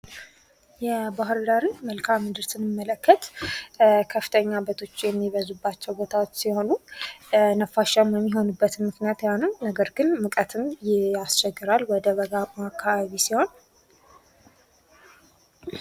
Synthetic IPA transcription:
jɛbaɦɨɾd̪aɾinməlkʰamːɨd̪ɨɾsɨnɨmːələkːət̪ | kʰəfɨ̥t̪ʰəɲːabət̪ʰo̞t͡ʃːjɛmːiβəzubːat͡ʃːɛwbot̪ʰawot͡ʃːsiho̞nu | nəfaʃamjɛmːiɦo̞nubːət̪mɨknijat̪jawnəwnəɡəɾɡɨnmɨkʼət̪ʰɨnjɪast͡ʃɛɡːɨɾalwɔd̪əβəɡamakʰːaβaβisiho̞n

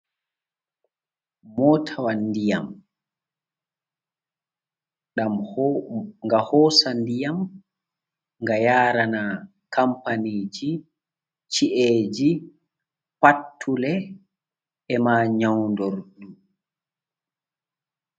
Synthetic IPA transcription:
mɔtʰawanːdijam | ɗam | ŋɡahɔːsandijam | ŋɡajaːɾana | kampaniːd͡ʒi | t͡ʃiʔeːd͡ʒi | patʰːulɛ | ɛmaːɲawndɔɾɗu

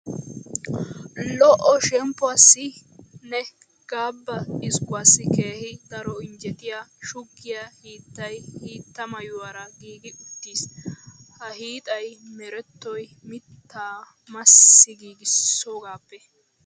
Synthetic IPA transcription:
lɔʔɔʃɛmpːʊaːsːɪ | nɛ | ɡ̥aːbːɐɪskʊwaːsːɪke̞ːhɪd̪ɐɾɔɪnd͡ʒɛt̪ɪjaʃʊɡːɪjahiːt̪ːɐjhiːt̪ːɐmɐjʊwaɾɐɡiːɡɪʔʊt̪ːiːshɐhiːt̪ʼɐjmɛɾɛt̪ːɔjmɪt̪ːaː | mɐsːɪɡiːɡɪsːoːɡaːpːɛ

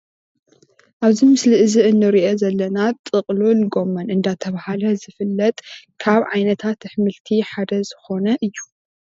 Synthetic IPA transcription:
ʔaβzimɨsliʔɨziʔɨnːɨɾiʔozɐlːɐnat̪ʼɨqʼlolɡo̞mːɐnʔɨnd̪at̪ʰɐβahalɐzɨfɨlːɐt̪ʼkʰaβʕajnɐt̪ʰat̪ħmɨlt̪ʰiħad̪ɐzɨxo̞nɐʔɨjːu

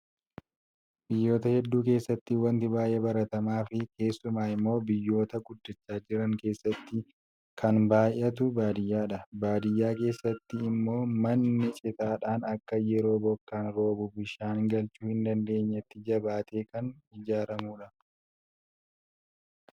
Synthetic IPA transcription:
bɪjːo̞ːt̪ɐhɛd̪ːuːke̞ːsːɐt̪ːɪwɐnt̪ɪbaːjʔeːbɐɾɐt̪ɐmaːfɪke̞ːsːʊmaːɪmːo̞ːbɪjːo̞ːt̪ɐɡʊd̪ːɪt͡ʃːaːd͡ʒɪɾɐŋke̞ːsːɐt̪ːɪ | kʰɐnbaːjʔːɐt̪ʊbaːd̪ɪjːaːᶑɐbaːd̪ɪjːaːke̞ːsːɐt̪ːɪːmːo̞ːmɐnːɪt͡ʃʼɪt̪aːᶑaːnɐkːɐjɛɾo̞ːbɔkːaːnɾo̞ːbʊbɪʃaːnɡɐlt͡ʃuːhɪnd̪ɐnd̪e̞ːɲːɐt̪ːɪd͡ʒɐbaːt̪ʰe̞ːkɐnɪd͡ʒaːɾɐmuːᶑɐ

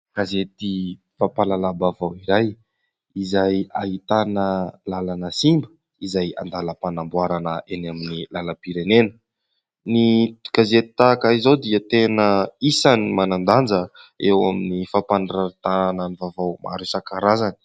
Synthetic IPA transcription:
kazet̪i | fapalalabavawiɾaj | izajaɦit̪anəlalanəsimbə̥ | izaja̰nd̪alapanambwaɾanəʔenaminilaləpiɾenenə̥ | nikazet̪it̪akaizowd̪iət̪enəisanimanand̪and͡zəewaminifapanraɾit̪anananivavawmʔa̰ɾusakaɾazani̥

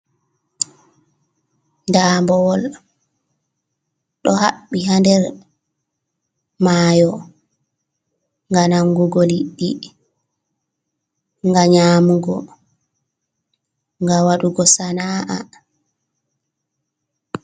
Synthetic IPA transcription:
ndaːmbɔwɔl | ɗɔhaɓːiɦandɛɾ | maːjɔ | ŋɡanaŋɡuɡɔliɗːi | ŋɡaɲaːmuɡɔ̰ | ŋɡawaɗuɡɔsanaʔa̰

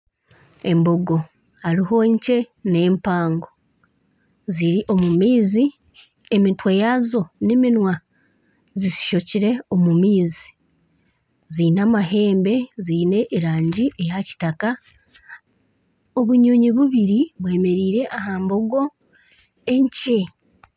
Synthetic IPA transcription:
e̞mbo̞ɡo̞ | haɾiɦo̞ɲce̞ne̞ːmpaːŋɡo̞ | ziɾiʔo̞mumiːzi | emitwejazo̞neminwa | zisi̥ʃo̞ciɾe̞o̞mumiːzi̥ | zinamaɦe̞ːmbe̞zine̞ʔːɾaːɲɟiʔe̞jaci̥taka | oβuɲo̞ɲiβuβiɾiβwe̞ːme̞ɾiːɾe̞ʔahaːmbo̞ɡo̞ | e̞ɲce̞

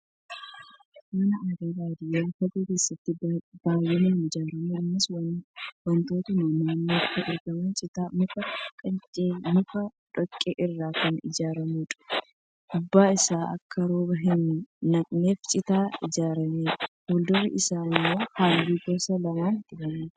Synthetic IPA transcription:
mɐnɐɐd̪eːd̪aːd̪ɪjɐlfɐd̪eːke̞ːsːɐt̪ːɪbaːjːɛnɐɪnɪd͡ʒaːɾɐmuɐmːɐswɐwɐnt̪oːt̪ɐmaːnaːnːokːɐʔɪɾɡɐmɐnt͡ʃʼɪt̪anʊfɐkʼɐnt͡ʃʼeːnʊfɐᶑɔkʼːeːʔɪrːaːkɐnɪ̰d͡ʒaːɾɐmuᶑ̪ʼɐ̥ | ʔʊbːaːɪsaːʔɐ̰kʰːɐɾo̞ːbɐɦɪnːɐkʼneːft͡ʃʼɪt̪aːɪd͡ʒaːɾɐmeːhoːld̪ɔrɪ̰ʔɪsaːɪmːo̞ːhaːlːiːɡɔɾsɐlɐwaːnt̪ɪbɐmeː

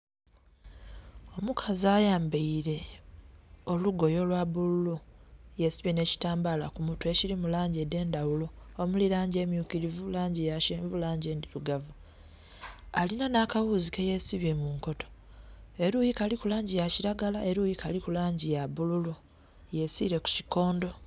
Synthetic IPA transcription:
o̞mukʰazajaːmbeiɾe̞ | o̞luɡo̞jo̞lwaβululujesiβine̞ːci̥taːmbalakumutue̞ciɾimulaːɲɟede̞ːndawuloːmulilaːɲɟe̞ːmjukiɾivulaːɲɟijaʃeːɱvulaːɲɟeːndiɾuɡavu | alinanakawuzikejesiβemuŋko̞to̞̥ | e̞ɾujikalikulaːɲɟijaciɾaɡalaʔe̞ɾujikalikulaːɲɟijaβululu | je̞siɾe̞ku̥ci̥ko̞ːndo̞

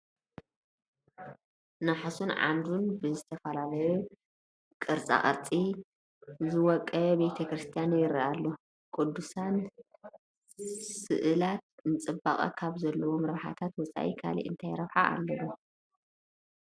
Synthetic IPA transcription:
naħasunʕa̰nd̪unbɨzɨt̪ʰɐfɐlalɐju | kʼɨɾt͡sʼa̰χʼɐ̰ɾt͡sʼi | zɨwɔkʼːɐbe̞t̪ʰɐkɾɨst̪ʰijanjɪɾiʔalːo | kʼud̪ːusan | sɨ̰ʔɨlat̪̚nɨt͡sʼɨbaχʼɐ̰kʰaβzɐlːɐwo̞mɾɐħa̰t̪ʰat̪wɔt͡sʼa̰ʔḭkʰa̰lḭʔɨnt̪ʰajɾɐβħa̰ʔa̰lːɐβu

